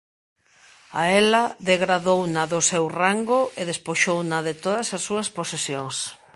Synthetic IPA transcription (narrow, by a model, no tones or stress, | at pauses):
aɛlɐðeɣɾaðownɐðʊsewraŋɡʊeðespoʃownɐðɪt̪oðɐsɐsːuɐsposesjoŋs